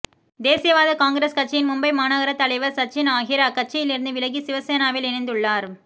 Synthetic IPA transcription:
d̪eːsɪjɐʋaːðɐkaːŋɡɪɾeːskɐʈ̚t͡ʃːɐjɪnmʊmbɐɪmaːnɐɣɐɾɐt̪ɐlɐɪʋɐɾsɐʈ̚t͡ʃːɪnaːɣɪɾɐkːɐʈ̚t͡ʃːɐjɪlɪɾɯnd̪ɯʋɪlɐɣisɪʋɐseːnaːʋɪlɛnɐɪnd̪ɯɭːaːɾ

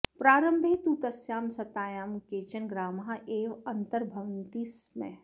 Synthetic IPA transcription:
pɾaːɾəmbʱet̪uːt̪ɐsjaːmsɐt̪aːjaːmkeːt͡ʃənɡɾaːmɦaʔeːʋɐ̃nt̪əɾbʱɐʋənt̪ismɛ̰

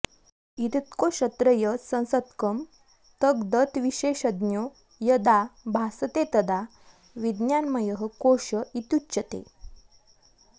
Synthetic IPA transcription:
it̪it̪koɕət̪ɾəjəsə̃w̃sət̪kəm | t̪əkd̪ət̪ʋiɕeɕəd̪njo | jəd̪abʱasət̪et̪əd̪a | ʋid̪njanməjəɦəkoɕəit̪utːt͡ɕət̪ḛ

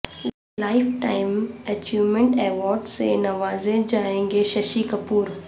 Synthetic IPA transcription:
laːɪfʈaːɪmɐt͡ʃiːʋmẽɳʈeːʋɔːɾɖsḛnɐʋaːzed͡ʒaːẽːŋɡeʃɐʃikɐpuːɾ

